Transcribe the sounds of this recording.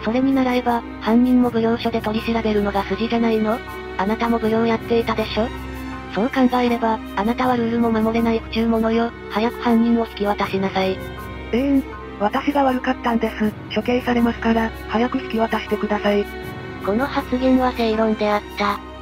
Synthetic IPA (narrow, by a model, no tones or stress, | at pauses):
so̞ɾe̞ɲ̟inaɾaɾe̞ba | hãɲʲːĩmːo̞bɯ̟jõ̞ːɕo̞d̪e̞t̪o̞ɾʲiɕiɾaɾe̞ɾɯ̟no̞ɡasɨʑiɾe̞naino̞ | anat̪amo̞bɯ̟jõːjat̪ːe̞it̪ad̪e̞ɕo̞ː | so̞ːkãŋɡae̞ɾe̞baːnat̪aβaɾɯ̟ɾɯ̟mo̞mamo̞ɾe̞naiɯ̟̥t͡ɕɨːmo̞no̞jo̞ | hajakɯ̟̥hãɲːʲĩɰo̞sɨ̥kʲiβat̪aɕinasai | e | βat̪aɕiɡaβaɾɯ̟kat̪ːãnd̪e̞sɨ | kʲo̞kẽ̞ĩsaɾe̞masɨ̥kaɾa | hajakɯ̟sɨ̥kʲiβat̪aɕi̥t̪e̞kɯ̟d̪asai | ko̞no̞hat͡sɨɡʲẽnoβaseiɾõ̞nd̪e̞at̪ːa